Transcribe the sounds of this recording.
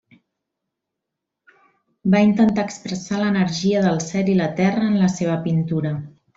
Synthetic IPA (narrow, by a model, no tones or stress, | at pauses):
baint̪ənt̪aːkspɾəsalənəɾʒiəðəlˠsɛlilət̪ɛrəːnləseβ̞əpint̪uɾə